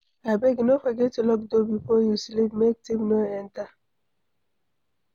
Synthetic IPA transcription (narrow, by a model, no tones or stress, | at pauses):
abɛɡnofɔɡɛtːulɔk̚dobifɔjuslivmek̚timnoɛnta